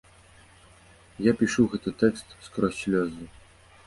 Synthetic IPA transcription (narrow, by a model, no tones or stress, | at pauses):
japʲiʂuɣɛt̪ɨt̪ɛkst̪skɾɔsʲlʲɔzɨ